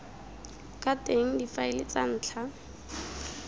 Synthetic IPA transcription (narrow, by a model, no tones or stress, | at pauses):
kʼateŋ̩difaɪlɪt͡san̩ːt͡ɬʰa